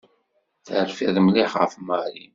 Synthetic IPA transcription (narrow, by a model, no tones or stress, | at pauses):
θəɾfiðˤmliħʁə̰fmaɾi